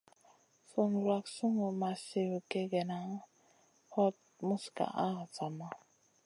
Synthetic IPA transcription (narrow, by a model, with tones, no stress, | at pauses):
fu˨n˨ɾa˨ksu˦ŋo˨ma˨se˨wke˦ɡɛ˨na˨˦ | hɔ˦t̚mu˦ska̰˨ʔa˦˨t͡sa˨ma˦